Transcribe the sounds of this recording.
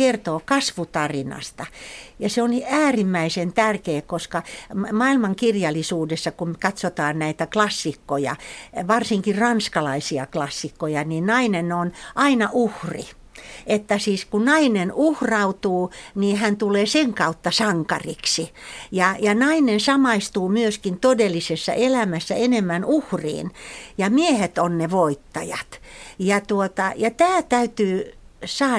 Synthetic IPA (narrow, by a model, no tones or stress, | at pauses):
ert̪oːkɑsʋut̪ɑrinɑ̰st̪ɑjɑseoniæːrimːæisent̪ærkeːkkoskɑmɑːilmɑŋkirjɑlˑisuːdesːɑkumkɑt̪sot̪ɑːnnæit̪æklɑsːikːojɑ̰ʋɑrsiŋkirrɑnskɑlɑisiɑ̰klɑsːikːojɑninɑinenonʔɑinɑʔuhrḭ | et̪ːæsiːskunɑinenuhrɑut̪uːniːhænt̪uleːseŋkɑut̪ːɑsɑŋkɑ̰riksijɑjɑnɑinensɑmɑist̪uːmyøskint̪odelːisesːɑ̰ʔelæmæsːæ̰enemːænuhrḭːnjɑmiehet̪onneʋoit̪ːɑjɑ̰t̪jɑt̪uot̪ɑjɑt̪æːt̪æyt̪yːsɑː